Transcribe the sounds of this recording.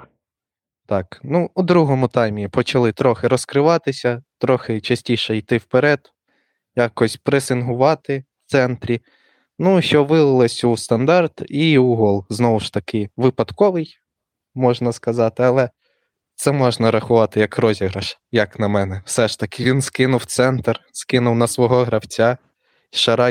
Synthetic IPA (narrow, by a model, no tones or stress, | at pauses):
t̪ɑknuːd̪ɾuɦɔmʊt̪ɑjmʲipɔt͡ʃɐlˠɪt̪ɾɔxɪɾɔskɾɪʋɑt̪ɪsʲɐt̪ɾɔxɪt͡ʃɐsʲtʲiʃɛjt̪ɪwpeɾɛd̪ | jɑkɔsʲpɾɪsɪnɦʊʋɑt̪ɪwt̪sɛnt̪ɾʲi | nuʃt͡ʃɔʋɪlˠɪlˠɪsʲust̪ɐnd̪ɑrt̪iuɦɔlˠznɔwʊʃt̪ɐkɪʋɪpɐd̪kɔʋɪj | mɔʒnɐskɐzɑt̪ɪɐlˠɛ | t̪sɛmɔʒnɐɾɐxʊʋɑt̪ɪjɐkrɔzʲiɦɾɐʃ | jɐknɐmɛnɛwsɛʃt̪ɐkɪʋʲinskɪnʊwt̪sɛnt̪rskɪnʊwnɐsʋɔɦɔɦɾɐwt͡sʲa | ʃɐɾɑ